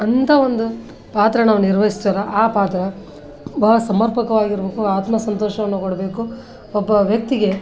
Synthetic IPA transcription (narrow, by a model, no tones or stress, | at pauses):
ɐnt̪ʰɐʋond̪u | paːt̪ɾɐnaːʋuniɾʋɐɦisd̪ɐɾɐʔaːpaːt̪ɾɐ | bɐɦɐsɐmɐɾpɐkɐʋaːɡiɾbeːkuaːt̪mɐsɐnt̪ɔːʃɐʋɐnːukɔɽbe̞ːku | ɔbːɐʋjɐk̚t̪iɡe̞